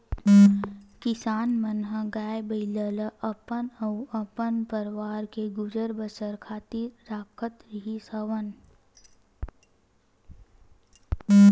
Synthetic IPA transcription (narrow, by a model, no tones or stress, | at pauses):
kɪsaːnmənɦəɡaːjbəɪlələʔɐpənɐwɐpənpəɾʋaːɾkeɡʊd͡ʒəɾbəsəɾkʰaːt̪iɾɾaːkʰət̪ɾiɦisəʋən